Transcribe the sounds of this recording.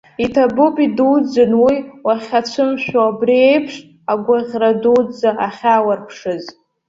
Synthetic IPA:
itʰabʊpʼiduwd͡zɨnwiwaχʲat͡ɕʷʰɨmʃᶣaabrie̞jpʰʂ | aɡʷaʁʲradud͡zaaχʲawarpʰʂɨz

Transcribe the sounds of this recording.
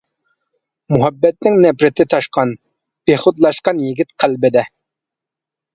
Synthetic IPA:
muɦɛbːɛt̪̚nɪŋnɛpɾɪt̪ʰɪt̪ʰɑʃqʰɑn | b̥eχʊt̪lˠɑʃqɑnjiɡʲit̪qʰælbɪd̪ɛ

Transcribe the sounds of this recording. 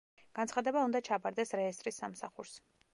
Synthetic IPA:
ɡ̥ant̪sχad̪ɛbaund̪at͡ʃʰapʰʼaɾd̪ɛsɾɛɛst̪ʼɾisːamsaχuɾs

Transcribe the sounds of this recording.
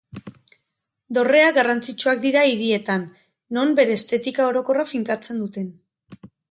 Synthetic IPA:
d̪o̞re̞aɡarant͡sit͡ʃuak̚d̪iɾaiɾie̞t̪anː | o̞mbe̞ɾe̞ːst̪e̞t̪ikao̞ɾo̞ko̞rafiŋkat͡se̞nd̪ut̪e̞n

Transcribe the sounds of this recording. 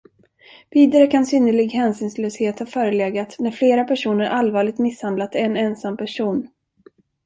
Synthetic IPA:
viːd̪aɾəkʰansʏnːəɭɪɡɦɛnsʏːnsløːsheːt̪haɾfœːɾəleːɡat̪næɾfleːɾapʰæʂuːnəɾʔalvɑːɭɪɡ̚t̪mɪshand̪lat̪ɛɛnɛnsampʰæʂuːn

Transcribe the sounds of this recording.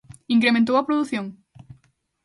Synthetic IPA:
iŋkɾemẽnt̪owɐpɾoðuθjoŋ

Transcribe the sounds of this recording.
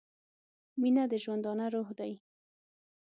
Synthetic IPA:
minad̪əʒwand̪ɑnaɾohd̪aj

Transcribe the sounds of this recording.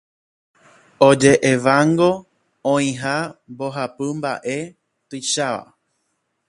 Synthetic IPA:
od͡ʒe̞ʔeʋaŋɡo̞ | õĩɦamboɦapɨmba̰ʔe̞ | t̪ɨʃaʋa̰

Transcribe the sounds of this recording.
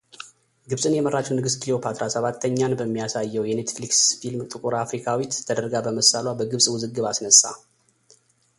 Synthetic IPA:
ɡɨβsʼɨnjɛmərːat͡ʃːɛwnɨɡɨst̪ʰlijopʰat̪ɾasəβat̪ʰːəɲːanbəmːijasajːɛwjɛne̞t̪fliksfilmt̪ʼɨkʼuɾafɾikʰawit̪ːʰəd̪əɾɡabəməsːalwabəɡɨβsʼwʊzɨɡːɨβasnəsʼːa̰

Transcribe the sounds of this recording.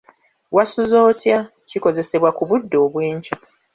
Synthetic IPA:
wasuzo̞ːtja | ciko̞ze̞se̞βwakuβudːo̞ːβweːɲt͡ʃḁ

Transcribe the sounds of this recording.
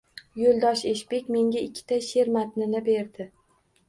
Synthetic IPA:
jolˠd̪ɒʃeʃbekʲme̞ŋʲaɪkʲʰːɪ̥t̪ʰaʃe̞ɾmat̪nɪnɪbe̞ɾd̪ɪ

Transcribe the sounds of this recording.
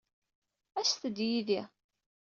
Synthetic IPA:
æsθəd̪jiði

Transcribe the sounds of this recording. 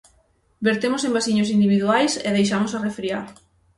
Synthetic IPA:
beɾt̪emosẽmbasiɲos̬ind̪iβiðuajseð̞ejʃ̬amosarefɾiaɾ

